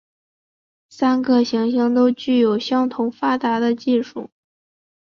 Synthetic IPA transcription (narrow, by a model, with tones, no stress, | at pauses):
sa˥nɡə˧ɕi˧˥ŋɕɑ˥ŋt̪o˥ʊt͡ɕy˥˩jo˨˩ʊɕjɑ˥ŋt̪ʰʊ˧˥ʊfa˥t̪a˧˥d̪ə˧t͡ɕi˥˧ʂu˥˩